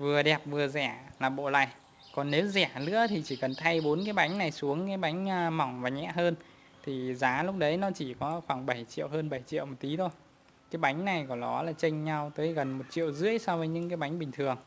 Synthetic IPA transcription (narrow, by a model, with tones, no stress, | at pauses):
vɨ˨˩əɗɛ˨˩p̚vɨ˨˩əzɛ˧˩laː˨˩ɓo̰˧˨la̰ː˧˨j | kɔ˨˩nːe˨˦wzɛ˧˩lɨ̰˧˥ət̪ʰi˨˩t͡ɕi˧˩kə˨˩nt̪ʰa˧jɓo˨˦nkaː˨˦jɓa˨˦jŋ̟na˨˩jsu˨˦əŋkaː˨˦jɓa˨˦jŋ̟ː˧ma˨˩wŋ͡mvaː˨˩ɲɛ̰˧˨ɦəː˧n | t̪ʰi˨˩zaː˨˦lʊ˦˥k͡p̚ɗə˨˦jnɔ˨˦t͡ɕi˧˩kɔ˨˦xwaː˧˩ŋɓə˧˩jt͡ɕḭ˧˨əwɦəː˧nɓə˧˩jt͡ɕḭ˧˨əwmo˨˩t̚t̪i˨˦t̪ʰo˧j | kaː˨˦jɓa˨˦jŋ̟na˨˩jkɔ˨˩ɗɔ̰˨˦laː˨˩t͡ɕə˧ŋ̟ɲa˧wt̪əː˨˦jɣə˨˩nmo˨˩t̚t͡ɕḭ˧˨ə˨wzɨ̰˧˥əjsɔ˧wvəː˨˦jɲɨ̰˧˥ŋkaː˨˦jɓa˨˦ŋ̟ɓï˨˩ŋ̟t̪ʰɨ˨˩əŋ